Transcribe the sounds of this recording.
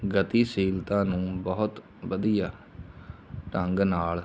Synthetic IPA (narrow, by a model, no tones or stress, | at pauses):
ɡət̪iːsiːlt̪ãːnũːbɔɦʊt̪ | bəd̪ijaː | ʈəŋɡnaːl